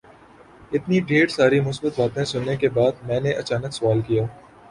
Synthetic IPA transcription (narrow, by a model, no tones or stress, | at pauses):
ɪt̪niɖeːɾsaːɾimʊsbət̪ʋaːt̪ẽsʊnːekebaːd̪mɛ̃ːneʔɐt͡ʃaːnəksʊʋaːlkijaː